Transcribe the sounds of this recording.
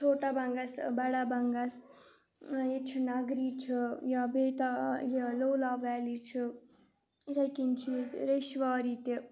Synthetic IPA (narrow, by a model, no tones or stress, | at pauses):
t͡ʃʰoːʈabaŋɡasbaɽabaŋɡas | jet͡ʃʰinaɡɾit͡ʃʰijabeʈajalowlaʋaːlit͡ʃʰi | esajkint͡ʃʰieɾeʃʋaːɾit̪e